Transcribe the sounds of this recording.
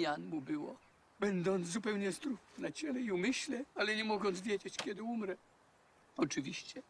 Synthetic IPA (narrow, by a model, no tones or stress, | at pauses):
anmubɘwɔ̰ | bɛnd̪ɔnt̪szupɛwɲɛzd̪ɾufnat͡ɕɛlɛiumɘɕlɛalɛɲɛmɔɡɔnsvʲjɛd͡ʑet͡ɕkʲɛd̪ɪumɾɛ | ɔt͡ʂɨvʲiɕt͡ɕɛ